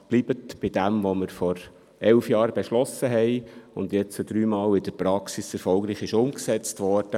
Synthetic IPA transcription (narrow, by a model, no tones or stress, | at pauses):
b̥liːbətb̥ɪd̥æmʋoməɾfɔɾ | ɛlfjɑːɾbeʃlɔsəɦɛɪʊndjɛt͡sud̥̪ɾyːmɑːlɪd̥əpɾɑksisɛɾfɔlɡɾiːχɪʃʊmksɛt͡stʋɔɾd̥ə